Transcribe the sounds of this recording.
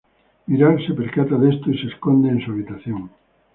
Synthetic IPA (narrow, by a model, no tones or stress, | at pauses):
miɾaɾsepeɾkat̪aðest̪oiseskond̪eẽnsuaβit̪aθjoŋ